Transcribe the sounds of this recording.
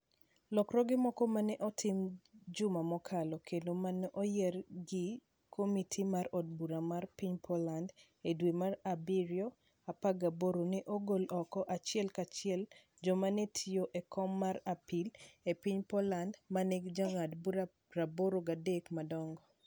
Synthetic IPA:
lɔkɾɔɡɪmɔkɔmanɛʔɔtʰɪmd͡ʒʊmamɔkʰalɔkʰendomanɛʔɔjɛrɡɪ | kʰomitʰimaɾɔd̚buɾamarpiɲpʰɔland | edwemarabiɾjɔ | apaɡaboɾonɪʔɔɡolɔkɔʔat͡ʃɪɛlkat͡ʃɪɛl | d͡ʒɔmanetʰijoʔekʰɔmːaɾapilepiɲpɔlandmaneɡd͡ʒaŋadbuɾa | ɾaboɾoɡadekmadɔŋɡɔ

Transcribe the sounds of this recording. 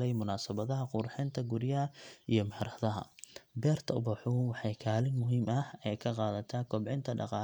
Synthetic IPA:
lɛjmʊnaːsɐβɐðɐɦɐqʊrħɪnt̪ʰɐɡʊɾjɐɦɐijɞmɐhɪɾɐðɐɦɐ̰bɛːrt̪ʰɐbɐħʊwɑħɑjkʰaːlɪnmʊɦiːmɐhɛjkʰɐqɑːðɐt̪ʰɐːkʰɔbʕɪnt̪ʰɐɖɑ̰qɑː

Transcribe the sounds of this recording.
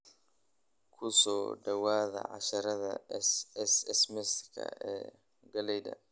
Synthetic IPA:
kʰʊsɔːɖɐwaːðɐ̰ʕɑ̰ʃɐɾɐðɐ̰sɛsɛsmɛsɪkʰɐ̰ɛ̰ː | ɡɐlɛjðɐ̰

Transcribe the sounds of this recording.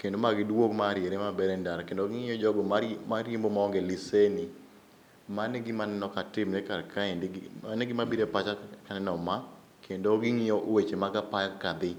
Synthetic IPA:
kendomaɡɪdwokmaɾjeɾemabɛɾɛndaɾkendoɡɪŋɪjɔd͡ʒɔɡɔmaɾjimbomaɔŋɡɛlɪsenɪ | manɛɡɪmanɛnɔkatɪmnɛkaɾkʰaɛndɡanɛɡɪmabiɾepat͡ʃakanɛnɔma | kʰendoɡɪŋɪjɔʔwet͡ʃemaɡapajakad̪ɪ

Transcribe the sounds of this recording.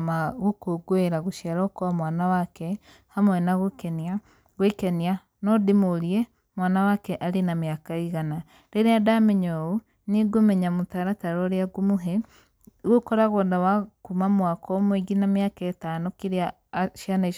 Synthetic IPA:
maɣukoɡweɾaɣoʃjaɾɔkɔamwaːnawakɛ | hamwɛnaɣokenija | ɣwekenja | nɔdimoɾie | mwaːnawakɛʔaɾenamjakaiɣana | ɾeɾeadamɛɲoo | niɡomɛɲamotaɾataɾɔɾeaɡomuɦɛ | ɣokɔɾaɣɔndawakumamwakɔmweɡinamjakaetanokiɾea | ʃianaiʃ

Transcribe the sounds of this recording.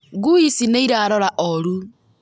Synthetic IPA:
ɡuisineiɾaɾɔɾaʔoɾu

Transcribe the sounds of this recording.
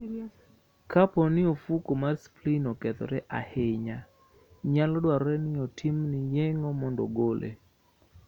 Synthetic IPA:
kapɔnɪofukomarsplinɔkɛt̪ɔ̰ɾɛʔa̰hɪɲa | ɲalɔdwaɾɔɾɛnɪɔtʰimnɪjɛŋɔmɔndɔ̰ɡolʔḛ

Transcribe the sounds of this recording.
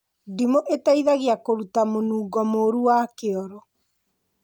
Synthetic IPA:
dimoʔetaiðaɣiakoɾutamonuːɡɔmoːɾuwakeɔɾɔ

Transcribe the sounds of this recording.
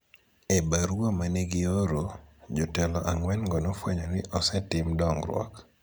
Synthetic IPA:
ebaɾwomaneɡɪoɾod͡ʒotɛlɔʔaŋwɛnɡɔnofwaɲɔnɪʔɔsɛtɪmdɔŋɾwɔ̰k

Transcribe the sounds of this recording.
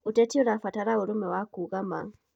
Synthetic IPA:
utɛtiuɾafataɾauɾumɛwakuɣama̰ŋ

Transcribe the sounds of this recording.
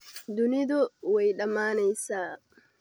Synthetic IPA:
d̪ʊnɪd̪ʊwɛjɗɐmaːnɛjsaː

